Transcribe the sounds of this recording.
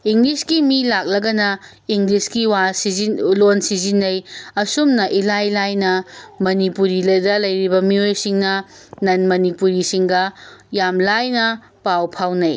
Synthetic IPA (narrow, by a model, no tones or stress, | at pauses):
iŋɡliskimilak̚lɐɡɐnɐ | iŋɡliskiwasiilonsizinːɐjɐsumnɐʔilajlajnɐmɐnipuɾilɐdɐlɐjɾibɐmiojsiŋnɐ | nɐnmɐnipuɾisiŋɡɐjamlajnɐ | pawpʰawnɐj